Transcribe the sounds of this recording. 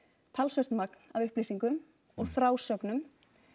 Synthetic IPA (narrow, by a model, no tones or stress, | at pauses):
t̪ʰalsvœrt̪maknavʏhpliːsiŋkʏm | ɔɣfɾaːwsœknʏm